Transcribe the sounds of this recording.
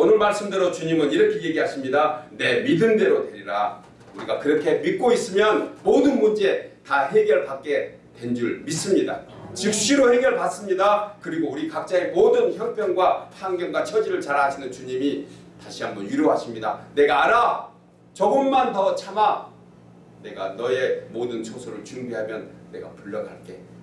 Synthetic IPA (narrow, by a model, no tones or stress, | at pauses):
onɯɭmaɭs͈ɯmdeɾot͡ɕuɲimɯniɾʌkʰe̞je̞ɡiɦaɕʰimɲidane̞midɯnde̞ɾotwe̞ɾiɾa̰ | uɾiɡakɯɾʌkʰe̞mit̚k͈ois͈ɯmjʌnmodɯnmund͡ʑe̞taɦe̞ɡjʌɭpak͈̚e̞ | twe̞nd͡ʑuɭmis͈ɯmɲida̰t͡ɕik̚ɕ͈iɾohe̞ɡjʌɭpas͈ɯmɲidakɯɾiɡouɾikak̚t͡ɕ͈aemodɯnçjʌŋpʰjʌŋɡwapʰaŋɡjʌŋɡwat͡ɕʰʌd͡ʑiɾɯɭt͡ɕaɾaɕʰinɯnt͡ɕuɲimi | taɕʰiɦambʌnjuɾjoɦaɕʰimɲida̰ne̞ɡaːɾa | t͡ɕʌɡɯmːantʌʌt͡ɕʰama | ne̞ɡa̰nʌe̞modɯnt͡ɕʰosʰoɾɯɭt͡ɕuŋbiɦamjʌnːe̞ɡa̰puʎːʌɡaɭk͈e̞